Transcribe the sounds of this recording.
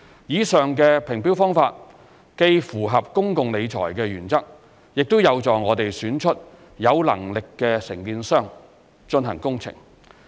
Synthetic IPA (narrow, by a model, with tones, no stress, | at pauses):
jiː˨˧sœː˨ŋkɛː˧pʰɪ˨˩ŋpiː˥wfɔː˥ŋfaː˧t̚ | ke˧jfuː˨˩ɦɐ˨p̚kʊ˥ŋkʊ˨ŋle˨˧jt͡ʃʰɔ̰ː˨˩jkɛː˧ɥyː˨˩nt͡sɐ˥k̚ | jɪ˨k̚t̪o˥wjɐ˨˧wt͡sɔː˨˩ŋɔː˨˧t̪e˨jsyː˨˥nt͡ʃʰɵ˥t̚ | jɐ˨˧wlɐ̰˨˩ŋlɪ˨kːɛː˧sɪ˨˩ŋkiː˧nsœː˥˩ŋ | t͡ʃɵ˧nɦɐ̰˨˩ŋkʊ˥ŋt͡sʰɪ̰˨˩ŋ